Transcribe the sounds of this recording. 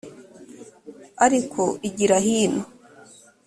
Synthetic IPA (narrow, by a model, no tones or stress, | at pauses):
aɾikʰoʔiɟiɾaɦiːno